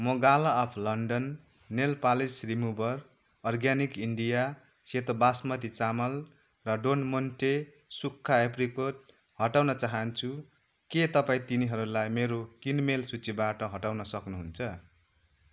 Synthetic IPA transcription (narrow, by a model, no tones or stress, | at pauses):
mʌɡalaːpʰlʌɳɖʌnː | elpalisrimubʌr | ʌrɡjanikiɳɖija | set̪obasmʌt̪it͡samʌl | rʌɖonmonʈe | sukʰːaeprikoʈ̚ | hʌʈawnʌt͡saɦʌnt͡sʰu | ket̪ʌpaĩt̪iniɦʌɾulajmeɾokinmelsut͡sibaʈʌɦʌʈawnʌsʌknuɦunt͡sʰʌ